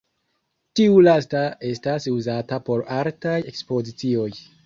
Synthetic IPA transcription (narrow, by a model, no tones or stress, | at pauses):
tiulastae̞stasuzatapo̞ɾaɾtaje̞kspo̞zit͡sio̞j